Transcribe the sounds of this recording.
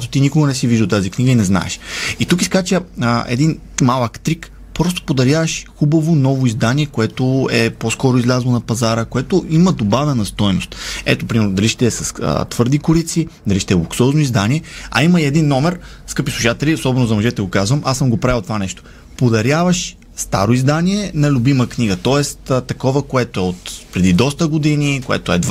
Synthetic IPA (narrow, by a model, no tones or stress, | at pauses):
at̪o̥t̪inikoɡɐnɛsiviʒd̪id̪ot̪azikniɡəinɛzna̰ɛ̰ʃit̪uki̥skat͡ʃɛɛ̰d̪in | malˠəkt̪ɾik | pɾɔst̪o̥pod̪ɐɾʲjavəʃxubəvonɔvoizd̪aniɛkoɛt̪oɛposkɔɾʊizlʲazlˠonɐpɐzaɾəkoɛt̪oiməd̪obavɛnɐst̪ɔjnost̪ɛ̰t̪opɾimɛɾnod̪ɐliʃt̪ɛsɐst̪vɤɾd̪ikoɾit̪sid̪ɐliʃt̪ɛɛlˠuksɔznoʊizd̪aniɛɐ̰iməiɛd̪inːɔmɛɾ | skɤpislˠuʃat̪ɛliosɔbɛnʊzɐmoʒɛt̪ɛɡokazvɐmʔasəmɡopɾavɛlˠt̪ovanɛʃt̪o̥ | pod̪ɐɾjavɐʃ | st̪a̰ɾoizd̪aniɛnɐlʲʊbiməkniɡət̪ɔɛst̪ət̪ɐkɔvəkoɛt̪oɛot̪pɾɛd̪id̪ɔst̪əɡod̪inikoɛ̰t̪oɛd̪